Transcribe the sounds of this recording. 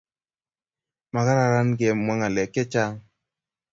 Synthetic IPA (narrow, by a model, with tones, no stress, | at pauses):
ma˨ka˦ɾa˨ɾa˦nɡe˨mwa˦ŋa˨lɛ˨kɪ˦t͡ʃa˦